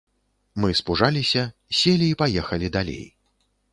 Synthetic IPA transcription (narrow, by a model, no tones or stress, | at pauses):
mɨspuʐalʲisʲɐsʲelʲiːpajɛxɐlʲid̪alʲḛj